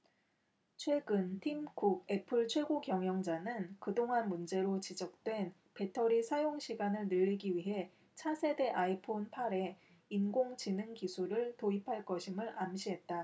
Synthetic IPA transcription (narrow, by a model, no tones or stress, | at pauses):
t͡ɕʰwe̞ɡɯntʰimɡuɡ̚e̞pʰɯɭt͡ɕʰwe̞ɡokjʌŋjʌŋd͡ʑanɯnkɯdoŋɦanmund͡ʑe̞ɾot͡ɕid͡ʑʌk̚t͈we̞n | pe̞tʰʌɾisʰajoŋɕʰiɡanɯɭnɯʎːiɡiɥiɦe̞ | t͡ɕʰasʰe̞de̞ʔaipʰonpʰaɾe̞ | inɡoŋt͡ɕinɯŋkisʰuɾɯɭtoipʰaɭk͈ʌɕʰimɯɭamɕʰiɦe̞t̚t͈a